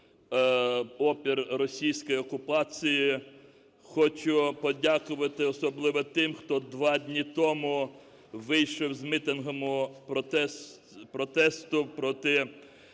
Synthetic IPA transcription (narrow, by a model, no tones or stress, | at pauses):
ɔpʲirːɔsʲijsʲkɔjɔkʊpɑt͡sʲiji | xɔt͡ʃʊpɔdʲakʊʋɐt̪ɪɔsɔblˠɪʋɔt̪ɪmxt̪ɔd̪ʋɑdʲnʲit̪ɔmʊ | ʋɪjʃɔwzmit̪ɪnɦɔmʊpɔt̪ɛs | pɾɔt̪ɛst̪ʊpɾɔt̪ɪ